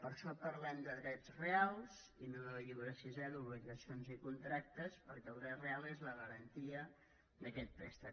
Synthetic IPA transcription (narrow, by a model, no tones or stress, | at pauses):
pəɾʃɔpəɾlɛmd̪əðɾɛd͡zrealˠz | inonoʎiwɾəsizɛɾuβliɣəsionzikunt̪ɾak̚t̪əspəɾkɛlˠd̪ɾɛt̪realˠezləɣəɾənt̪iə | ðəkɛt̪̚pɾɛ̰st̪ə